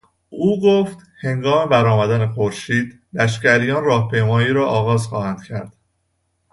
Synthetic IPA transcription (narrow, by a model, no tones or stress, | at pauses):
ʔuːɡoft̪he̞ŋɡɒːme̞bæɾɒːmæd̪ænexoɾʃiːd̪ | læʃ̬cæɾijɒːnrɒːhpʰe̞jmɒːjiːɾɒːʔɒːɣɒːzxɒːhænd̪̥cʰæɾd̪̥